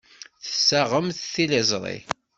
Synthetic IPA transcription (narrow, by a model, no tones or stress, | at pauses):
θə̥sːaʁəmθθiləzˤɾˤḭ